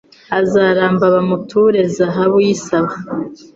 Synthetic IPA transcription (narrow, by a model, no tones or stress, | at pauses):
azaːɾaːmbaβamutʰuɾezaɦaβujisaβa